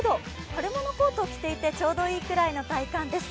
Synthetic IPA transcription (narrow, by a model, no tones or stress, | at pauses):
d̪o̞ | haɾɯmo̞no̞ko̞ːt̪oːkʲi̥t̪e̞it̪e̞t͡ɕo̞ːd̪o̞iːkɯ̟ɾaino̞t̪aikãnd̪e̞sɨ̥